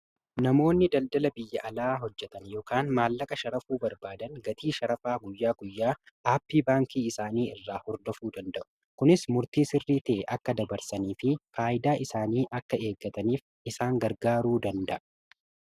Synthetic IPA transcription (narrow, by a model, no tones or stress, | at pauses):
nɐmo̞ːnːɪd̪ɐld̪ɐlɐbɪjːɐʔɐlaːɦɔd͡ʒːɛt̪ɐnjɔːkaːnmaːlːɐkʼɐʃɐɾɐfuːbɐɾbaːd̪ɐnɡɐt̪iːʃɐɾɐfaːɡʊjːaːɡʊjːaː | ʔaːpːiːbaːŋkiːɪsaːniːɪrːaːhɔɾd̪ɔfuːd̪ɐnd̪ɐʔʊ̥ | kʊnɪsmʊɾt̪iːsɪrːiːt̪ɛːʔɐkːɐd̪ɐbɐɾsɐniːfɪfaːʔɪd̪aːʔɪsaːniːʔɐkːɐe̞ːɡːɐt̪ɐniːf | ɪsaːŋɡɐɾɡaːɾuːd̪ɐnd̪ɐʔɐ